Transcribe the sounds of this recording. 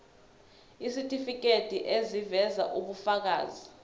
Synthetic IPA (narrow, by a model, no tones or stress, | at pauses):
isitʼifik̬ʼetʰʼiʔezivɛza̰ʔuɓufak̬a̰ːzi